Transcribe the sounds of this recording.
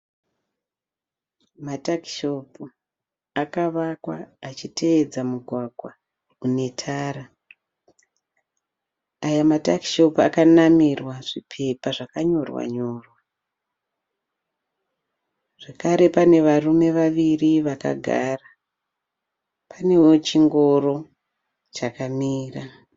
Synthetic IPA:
mataki̥ʃop | akaʋakwaːt͡ʃitʰe̞ːd͡zamuɡʱwaɡʱwa | une̞tʰaːɾa | ajamatakiʃopa̰kanamirwaʐipʰe̞paʐakaɲo̞rwa̰ɲo̞ːrwa | ʐ̥ekaɾe̞pane̞ʋarume̞ʋaʋiriʋaka̰ɡʱa̰ːra | pʰane̞wot͡ʃiŋɡo̞ro̞ | t͡ʃakamiːra

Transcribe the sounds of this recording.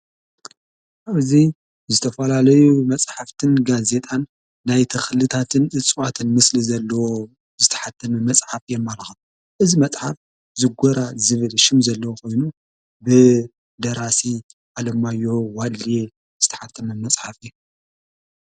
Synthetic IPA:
ʔaβzi | zɨt̪ʰɐfɐlalɐjumɐt͡sʼħaft̪ʰɨnɡaze̞t̪ʼʰanː | ajt̪ʰɨxlɨt̪ʰat̪ʰɨnʔɨt͡sʼwat̪ʰɨnmɨslizɐlːɐwo | zɨt̪ʰɐ̥ħat̪ʰːɐmɐmɐsʼħafjɛmːaɾɐxɐ | ʔɨzimɐt͡sʼħaf | zɨɡʷɔɾazɨβɨlʃɪmzɐlːɐwokʰo̞jnu | bɨ | d̪ɐɾasi | ʔalɐmajːo̞walːje | z̥ɨt̪ʰɐħat̪ʰːɐmɐmɐt͡sʼħafɨj

